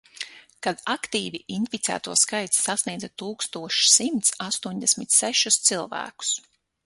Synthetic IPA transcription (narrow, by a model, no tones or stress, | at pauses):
kad̪akt̪iːviʔinfit̪sæ̰ːt̪ṵːskajt̪sːasniɛːd̪zat̪uːkst̪uɔʃsimt̪sast̪uɔɲd̪ɛsmit̪sæʃust̪silˠvæ̰ːku̥s